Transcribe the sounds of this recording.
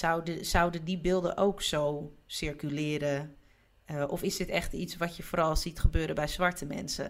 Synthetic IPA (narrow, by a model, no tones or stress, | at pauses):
sawdəsawdədibɪlˠdə̰ʔowksowsɪɹkylɪːɾə | ʔɔfɪsdɪtɛxtitsʋɔtjəfoːɾɑlˠsitχəbøːɾəbɛjzʋaɹtʰəmɛ̰nsə̰